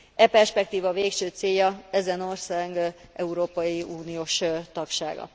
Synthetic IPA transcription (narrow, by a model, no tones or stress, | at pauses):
ʔɛpɛrʃpɛk̚t̪iːvɒveːkʃøːt̪seːjɒɛzɛno̞rsaːɡʔɛuɾoːpɒjiuːnijoːʃt̪ɒkʃa̰ːɡɒ̰